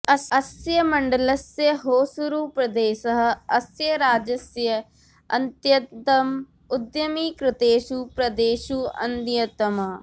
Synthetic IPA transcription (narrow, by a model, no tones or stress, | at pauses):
ɐɐsjəməɳɖələsjəɦoːsʊɾuːpɾɐd̪eːsəɦɐsjəɾaːd͡ʒəsjə | ɐnt̪jət̪əm | ʊd̪jəmiːkɾɪt̪eːʃuːpɾɐd̪eːʃuːɐ̰nd̪jət̪əma